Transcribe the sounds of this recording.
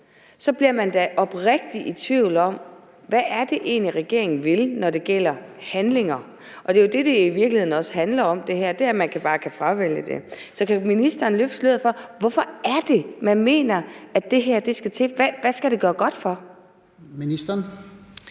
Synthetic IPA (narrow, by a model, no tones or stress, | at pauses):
sɒ̽b̥liɐ̰mænd̥æʔɒ̽b̥ʁɛɡ̥̚d̥iʔit͡sʰʋiʊlɒ̽m̰ | ʋæʔːɐd̥e̝ʔe̝̰ːnliʁɛɡ̥e̝̰ɐ̰eŋn̩ʋe̝lnɒd̥e̝ɡ̥el̰ɐ | hænle̝ŋɐ | ʔɒ̽d̥e̝jo̝d̥e̝d̥e̝iʋiɐɡ̥lihe̝ðˠn̩ɒ̽shænlɐɒ̽md̥e̝hæɐ̰d̥e̝æɐmænkʰæb̥ɑ̈ːkʰæfʁɑ̈ʋel̰əd̥e̝sɒ̽kʰæminisd̥ɐːnløfsløðˠfɒ̽ʋɒfɒ̽æɐd̥e̝mænme̝̰ːnɐæd̥e̝ɦæɐ̰d̥e̝sɡ̥æt͡sʰḛːʋæʋæsɡ̥æɾ̥e̝ɡ̥ɶːɐɡ̥ɒ̽d̥fɒ̽ | minisd̥ɐn